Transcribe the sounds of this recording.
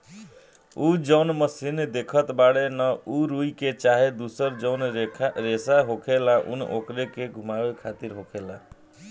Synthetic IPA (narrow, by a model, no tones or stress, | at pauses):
ud͡ʒʌʊnməsind̪ekʰət̪baɽenʌuɾuiket͡ʃaɦed̪usəɾd͡ʒʌwnɾesaɦokʰelaʔṵnʔokɾekeɡʱumabekʰat̪iɾɦokʰela